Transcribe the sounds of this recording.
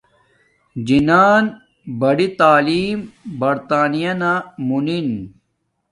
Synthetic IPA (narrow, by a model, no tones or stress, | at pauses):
d͡ʑinaːn | bɐɽit̪aːliːmbɐɾt̪aːnijɐnamunin